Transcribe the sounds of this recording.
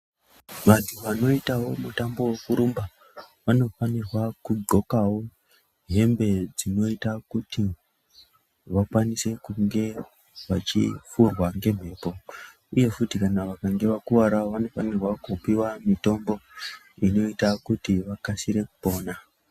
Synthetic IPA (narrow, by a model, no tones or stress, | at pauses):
ʋatʰuʋano̞itawo̞mutambo̞wekuɾumba | ʋano̞fanirwakuɡo̞kawo̞ | ɦe̞mbe̞d͡zino̞itakuti | ʋakwanise̞kuŋɡe̞ | ʋat͡ʃḭfurwaŋɡe̞m̤e̞ːpo̞ | uje̞futikanaʋakaŋɡe̞ʋakuwaɾaʋano̞fanirwakupiwamito̞mbo̞ | ino̞itakutiʋakasiɾe̞ku̥po̞ːna